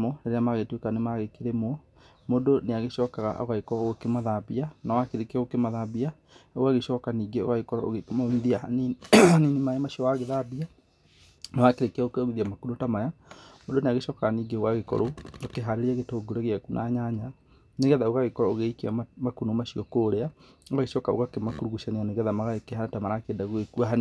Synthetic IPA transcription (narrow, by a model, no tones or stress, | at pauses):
mɔneɾeamaɣetwekanemaɣekeɾemwɔ | modoneaɣeʃɔːkaɣa̰ʔo̰ɣaekɔɔɣokemaðabianawakeɾekeaokemaðabia | owaɣeʃɔːkaniːɡeo̰ɣaɣekɔɾɔ̰oɣemamiðianininimaɛmaɕiɔwaɣeðabia | nawakeɾekeaɣokeomiðiamakunotamajamondoneaɣeʃɔːkaaniːɡeoɣaɣekɔ̰ɾookeɦaɾeɾeaɣetoːɡoɾeɣeakunʔa̰ɲaɲa | neɣɛðaoɣaɣekɔɾɔoɣeikeamakunomaɕiɔkoːɾeaoɣaɣeʃɔkao̰ɣakemakuɾuɣuʃaneaneɣɛðamaɣaekeɦanatamaɾakeːdaɣoekuaɦan